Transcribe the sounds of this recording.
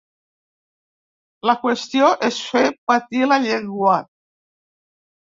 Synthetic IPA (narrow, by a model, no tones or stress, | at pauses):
lakwest̪joʔesfepat̪ilaʎeŋɡwat̪̚